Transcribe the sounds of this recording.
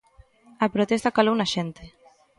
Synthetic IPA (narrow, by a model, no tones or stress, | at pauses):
apɾot̪est̪akalownaʃent̪e